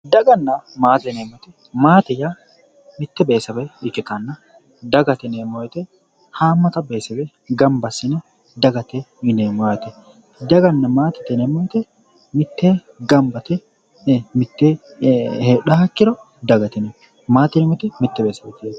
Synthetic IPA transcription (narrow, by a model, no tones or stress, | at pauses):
d̪ɐɡɐnːɐmaːt̪ɛneːmɔt̪ɛ | maːt̪ɛja | mɪt̪ːɛbeːsɐbɛɪkːɪt̪ɐnːɐ | d̪ɐɡɐt̪ɛnemɔjt̪ɛ | haːmːɐt̪ɐbeːsɛbɛ | ɡɐmbɐsːɪnɛ | d̪ɐɡɐt̪ɛɪneːmɔjɛt̪ɛ | d̪ɐɡɐnːɐmaːt̪ɛ̥t̪ːɛnɛmɔjt̪ɛ | mɪt̪ːeː | ɡɐmbɐt̪ɛ | mɪt̪ːe | heːɗɐɐkːɪɾɔ | d̪ɐɡɐt̪ɛnɛ | maːt̪ːɪnɛmɔt̪ɛmɪt̪ːɛbeːsɐbɛt̪ː